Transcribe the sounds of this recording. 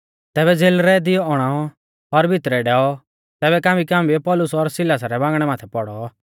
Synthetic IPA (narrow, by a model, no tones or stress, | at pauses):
t̪ɛːbɛd͡zeːlɾɛd̪ɪjɔɔɽ̃aːɔ | ɔɾbʱɪt̪ɾɛɖɛːɔ | t̪ɛːbɛkãːmikãːmbipɔːlʊsɔɾsɪlaːsaɾɛbãːɡɽ̃ɛmaːt̪ʰɛpɔɽɔ